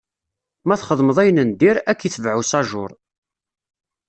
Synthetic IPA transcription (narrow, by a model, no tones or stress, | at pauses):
mæθχəðˤməðˤæjnənd̪iɾækːiθvʕusɑʒʊ̰ɾˤ